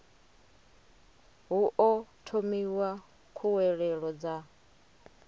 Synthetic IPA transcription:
ɦuʔɔtʰomiwa | kʰuwɛɺɛɺɔd͡za

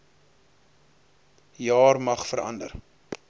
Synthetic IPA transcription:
jɑːrmɐχfəɾɐ̰ndə̰r

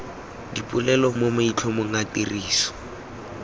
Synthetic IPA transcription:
dipʼʊlɛlɔmomoit͡ɬʰɔmʊŋ̩atiriːsɔ̥

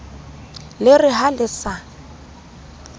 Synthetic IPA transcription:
lɪrɪɦalɪsa

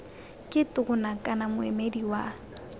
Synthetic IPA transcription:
kʼɪtʼʊɣʊnakʼanamʊɛ̰mediwa

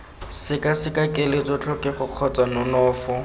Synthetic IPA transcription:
sɪkasɪkakʼɪlɪtʼʊt͡ɬɔkʼɪχʊq͡χʰɔt͡sʼwanʊnɔːfʊ

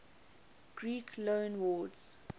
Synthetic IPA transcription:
ɡ̥ɹiːkʰlõːnwɔːdz̥

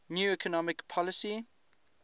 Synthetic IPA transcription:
njuːikʰənɔmɪkpʰɔlɪsi

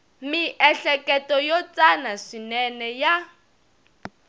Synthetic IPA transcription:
miʔɛɬɛkʼɛtɔjɔt͡sʼanaʂinɛnɛja

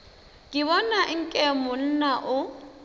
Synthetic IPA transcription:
kʼɪβɔnaʔɪŋ̩kʼɛmʊn̩naʔʊ

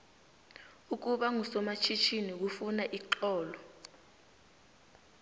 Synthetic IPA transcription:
uk̬uɓaŋusɔmat͡ʃʰit͡ʃʰinik̬ufunaʔiǃɔːlɔ

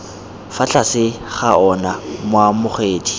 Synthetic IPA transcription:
fat͡ɬʰasɪχaɔnamʊwamʊχeːdʰi̥

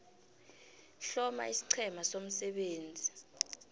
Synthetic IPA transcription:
ɬɔma̰isi̥ǀʰɛmasom̩sɛɓeːnd͡zʱi

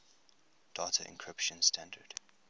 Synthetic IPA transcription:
d̥atʰəʔɪ̰̃nkʰɹ̥ɪpʃə̃nstʰæ̃ndəd̥

